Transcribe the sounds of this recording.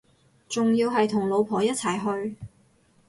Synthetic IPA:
t͡sʊ˨ŋjiː˧wɦɐ˨jt̪ʰʊ˨˩ŋlo˨˧wpʰɔː˨˩jɐ˥t̚t͡sʰɐ˨˩jɦɵ˧ɥ

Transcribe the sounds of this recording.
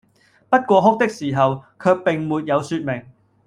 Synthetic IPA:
pɐ˥t̚kʷɔː˧ɦʊ˥k̚t̪ɪ˥k̚siː˨˩ɦɐ˨wkʰœː˧k̚pɪ˨ŋmuː˨˧t̚jɐ˨˧wsyː˧t̚mɪ˨˩ŋ

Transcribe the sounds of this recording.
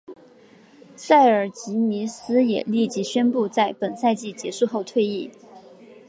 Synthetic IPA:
sa˥˩ɪə˞˨˩t͡ɕi˧˥ni˧˥sɹ̩˥jɛ̰˨˩li˥˩t͡ɕi˧˥ɕɥɛ˥npu˥˧t͡sa˥˩ɪpə˨˩nsa˥˧ɪt͡ɕi˥˩t͡ɕjɛ˧˥ʂu˥˧xo˥˧ʊt̪ʰwe˥˧ɪi˥˩

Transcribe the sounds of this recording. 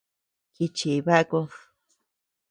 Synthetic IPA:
ki˧t͡ʃi˨βa˦ko˧s

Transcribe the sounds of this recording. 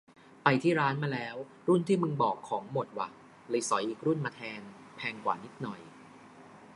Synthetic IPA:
pa˧jt̪ʰiː˥˩ɾaː˦˥nmaː˧lɛː˦˥w | ɾu˥˩nt̪ʰiː˥˩mɯ˧ŋbɔː˨˩kʰːɔː˩˦ŋmo˨˩t̪̚wa̰ː˨˩ | lɤ˧jsɔ˩˦jʔiː˨˩k̚ɾu˥˩nmaː˧t̪ʰɛː˧n | pʰɛː˧ŋkwaː˨˩ni˦˥t̪̚nɔ˨˩j

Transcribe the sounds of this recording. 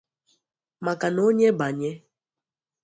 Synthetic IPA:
ma˨ka˨no˨˦ɲɛ˦ba˨ɲɛ˦

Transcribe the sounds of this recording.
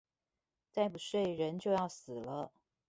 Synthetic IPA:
t͡sa˥˩ɪpu˨˩ʂwe˥˩ɪɻə˧˥nt͡ɕjo˥˧ʊjɑ˥˩ʊsɹ̩˨˩lə˦

